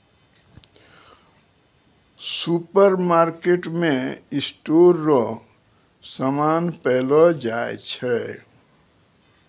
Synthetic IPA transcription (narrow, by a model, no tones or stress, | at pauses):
supəɾmaːɾkeʈmẽɪsʈoɾːɔ | səmaːnpɛːlɔd͡ʒaḛt͡ʃʰɛ